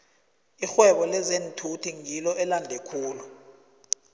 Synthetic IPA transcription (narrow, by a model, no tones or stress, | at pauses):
ixwɛɓɔlɛzentʰutʰiŋilɔʔɛlandʱekʰuːlu